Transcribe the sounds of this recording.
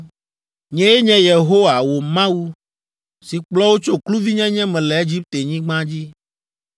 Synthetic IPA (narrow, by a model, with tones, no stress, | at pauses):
ɲɛ̃˦jɛ˦ɲɛ̃˦je˨ɦo˦wa˨wo˨mã˦wu˦ | si˨k͡plɔ˦wo˦t͡ʃo˦klu˦vi˦ɲɛ̃˦ɲɛ̃˦mɛ̃˨lɛ˨e˦d͡ʑi˦p̚t̪e˨ɲĩ˦ɡ͡bã˦d͡ʑi˦